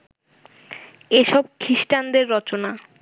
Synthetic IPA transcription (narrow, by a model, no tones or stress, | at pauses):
eʃɔb̚kʰiʃʈand̪eɾːɔt͡ɕona